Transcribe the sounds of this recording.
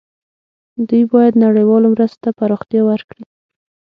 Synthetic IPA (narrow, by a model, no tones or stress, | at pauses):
d̪ujbɑjad̪naɽajwɑlomɾəst̪t̪apaɾoxt̪jɑwaɾkɽi